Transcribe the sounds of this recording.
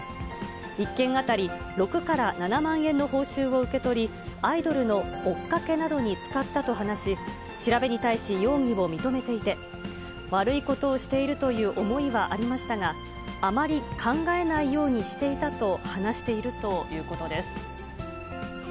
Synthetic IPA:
ikːẽ̞ŋ̃at̪aɾʲi | ɾo̞kɯ̟kaɾananamãɰ̃ẽ̞nːo̞ho̞ːɕɨːβo̞ɯ̟ke̞t̪o̞ɾʲi | aid̪o̞ɾɯ̟no̞ːkːake̞nad̪o̞ɲ̟it͡sɨ̥kat̪ːat̪o̞ɦanaɕi | ɕiɾabe̞ɲ̟it̪aiɕijo̞ːŋ̟imo̞mʲit̪o̞me̞t̪e̞it̪e̞ | βaɾɯ̟iko̞t̪o̞ːɕi̥t̪e̞iɾɯ̟t̪o̞jɯ̟ːʔo̞mo̞iβaʔaɾʲimaɕi̥t̪aŋaː | maɾʲikʰãŋɡae̞naijo̞ːɲ̟iɕi̥t̪e̞it̪at̪o̞hanaɕi̥t̪e̞iɾɯ̟t̪o̞jɯ̟ːko̞t̪o̞d̪e̞sɨ̥

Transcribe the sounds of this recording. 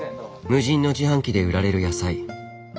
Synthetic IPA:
mɯ̟ʑĩnːo̞d͡ʑihãŋkʲid̪e̞ɯ̟ɾaɾe̞ɾɯ̟jasai

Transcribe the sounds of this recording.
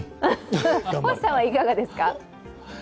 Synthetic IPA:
ho̥sãɰ̃aikaɡad̪e̞sɨ̥ka

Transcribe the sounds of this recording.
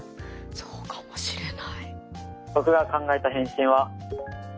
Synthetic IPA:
soːkḁmoɕiɾenaibo̞kɯ̟ɡakãŋɡaet̪aɦẽ̞ɰ̃ɕĩɰ̃βa

